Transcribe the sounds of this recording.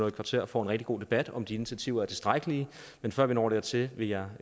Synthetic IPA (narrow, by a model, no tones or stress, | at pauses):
ɔ̽ːkʰɑ̈t͡sʰe̝ɐ̰fɒ̰ːe̝nʁɛɡ̥̚iɡ̥o̝̰ːd̥e̝b̥æd̥ɒ̽md̥ie̝nit͡sʰæt͡sʰḭʊ̰ɐæɐt͡sʰe̝sd̥ʁäɪɡ̥əli | menfɶɐ̰ʋinɒ̰ːɾ̥eɐt͡sʰe̝ʋe̝jɑ̈ɪ